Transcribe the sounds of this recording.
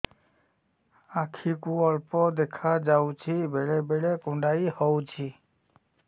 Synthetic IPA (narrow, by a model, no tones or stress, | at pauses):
akʰikũɔɭpɔd̪ekʰad͡ʒawt͡ʃʰibʱeɭebʱeɭekʊ̃ɳɖaihɔwt͡ʃʰi